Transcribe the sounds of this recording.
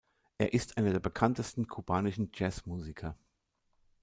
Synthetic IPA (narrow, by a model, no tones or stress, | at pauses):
ʔeːɐʔɪstʔaɪnɐdeːɐbəkʰantəstn̩kʰubaːnɪʃn̩d͡ʒɛsmuːzikʰɐ